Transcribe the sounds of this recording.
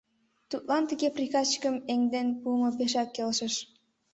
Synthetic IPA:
t̪ut̪̚lɑnt̪əɣeprixɑt͡ɕə̥kəmeŋd̪enpuəmŏpeʃɑkːelʃə̆ʃ

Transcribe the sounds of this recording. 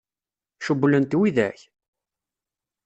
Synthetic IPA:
ʃəbːlənt̪wiðæ̰ç

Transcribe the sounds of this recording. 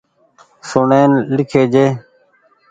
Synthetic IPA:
sʊɳeːnlɪkʰeːd͡ʒeː

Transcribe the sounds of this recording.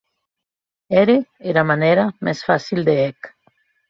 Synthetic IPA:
ɛɾeeɾamanɛɾamɛsfasild̪eɛk

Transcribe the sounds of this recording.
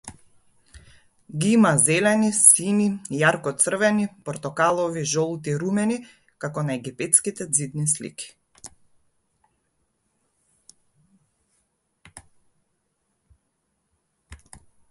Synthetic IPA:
ɡiimazɛlɛnisinijaɾkɔt̪sr̩vɛnipɔɾt̪ɔkalˠɔviʒɔlˠt̪iɾumɛni | kakɔnaɛɡipɛt̪skit̪ɛd̪zid̪nislḭki̥

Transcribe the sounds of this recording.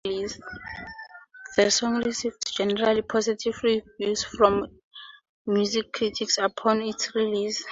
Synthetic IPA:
lis | ðəsɔ̃ŋɹisivtʰd͡ʒɛnɛɹalipʰɔzitʰivɹivjusfɹɔ̃mː | juzikʰːɹitʰiksapʰɔ̃nitsɹilis

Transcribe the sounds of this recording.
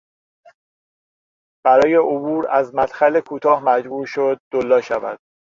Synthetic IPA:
b̥æɾɒːje̞obuːɾæzmæt̪xælekʰuːt̪ʰɒːhmæd͡ʒbuːɾʃod̪̚ːolːɒːʃævæ̰d̪̥̚

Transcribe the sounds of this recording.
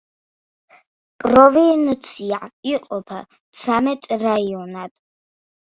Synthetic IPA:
pʼɾɔvint̪sʰiaʕiqʼɔpʰa̰ | t̪sʰamɛt̪ʼɾaiɔnad̪̥

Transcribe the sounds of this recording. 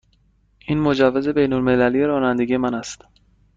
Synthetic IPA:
ʔiːnmo̞d͡ʒævːeze̞be̞jnolme̞lælijeɾɒːnænd̪eɡije̞mænæst̪

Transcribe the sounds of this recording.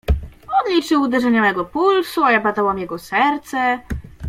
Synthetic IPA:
ɔd̪lʲit͡ʂɘwud̪ɛʐɛɲamɛɡɔpulsuajabad̪awamjɛɡɔsɛɾt̪sɛ

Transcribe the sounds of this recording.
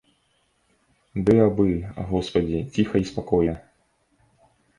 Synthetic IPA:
d̪ɨabɨa̰ɣɔspɐd͡zʲit͡sʲixɐispakɔjɐ

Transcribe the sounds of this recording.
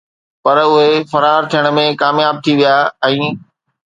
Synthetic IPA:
pɐɾʊɦefɐɾaːɾt̪ʰijəɽ̃̆mẽkaːmjaːb̚t̪ʰiʋijaːɛ̃ː

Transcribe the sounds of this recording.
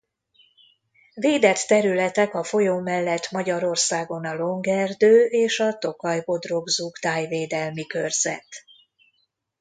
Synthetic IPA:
veːd̪ɛt̪ːɛɾylɛt̪ɛkɒfo̞joːmɛlːɛt̪mɒɟɒɾo̞rsaːɡo̞nɒlo̞ŋɡɛrd̪øːʔeːʃɒt̪o̞kɒjbo̞d̪ro̞ɡzuɡd̪aːjveːd̪ɛlmikørz̥ɛ̰t̪

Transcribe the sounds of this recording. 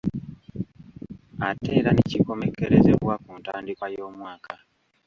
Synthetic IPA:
ate̞ːɾaneciko̞me̞ke̞ɾe̞zeβwakuntaːndikwajo̞ːmwaːka

